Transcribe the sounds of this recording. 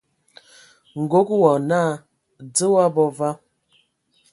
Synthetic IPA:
ŋ̩˨ɡo˦kwɔ˨na˦˨ | d͡zə˦wa˦bɔ˦va˦

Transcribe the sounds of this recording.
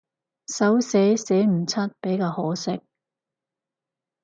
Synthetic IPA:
sɐ˨˥wsɛː˨˥sɛː˨˥m̩˨˩t͡sʰɐ˥t̚pe˨˥jkaː˧hɔː˨˥sɪ˦˥k̚

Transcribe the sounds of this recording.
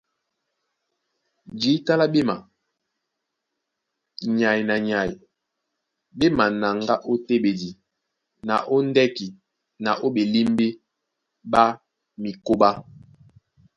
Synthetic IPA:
d͡ʒi˨˦ta˦la˦be˦ma˨ | ɲa˨i˨na˨ɲa˨i˨ | be˦ma˨na˨ŋɡa˦ʔo˦te˦be˨di˨ | na˨ʔo˦n˦dɛ˦ki˨ | na˨ʔo˦ɓe˨li˦mbe˦ | ɓa˦ | mi˨ko˦ba˦

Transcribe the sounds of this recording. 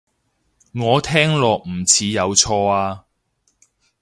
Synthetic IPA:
ŋɔː˨˧t̪ʰɛː˥ŋlɔː˨k̚m̩˨˩t͡sʰiː˨˧jɐ˨˧wt͡sʰɔː˧aː˧

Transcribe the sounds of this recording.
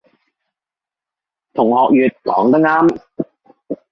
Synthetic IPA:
t̪ʰʊ˨˩ŋhɔː˨k̚jyː˨t̚kɔː˨˥ŋt̪ɐ˥ŋaː˥m

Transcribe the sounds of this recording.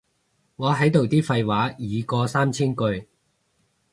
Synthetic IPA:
ŋɔː˨˧ɦɐ˨˥jt̪o˨wt̪iː˥fɐ˧jwaː˨˥jiː˨˧kɔː˧saː˥mt͡sʰiː˥nkɵ˧ɥ

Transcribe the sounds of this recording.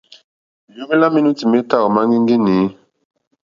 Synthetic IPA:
ju˦mi˦la˦mi˦nu˦ti˨me˦ta˦˨ɣɔ˨ma˦ŋɡi˦ŋɡi˦ni˨˦

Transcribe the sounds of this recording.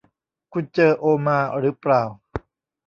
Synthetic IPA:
kʰu˧nt͡ɕɤː˧ʔoː˧maː˧ɾɯː˦˥pɾaː˨˩w

